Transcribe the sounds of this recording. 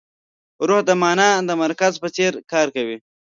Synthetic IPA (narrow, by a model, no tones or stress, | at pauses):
ɾuhd̪əmɑːnad̪əmaɾkazpət͡seɾkɑːɾkawi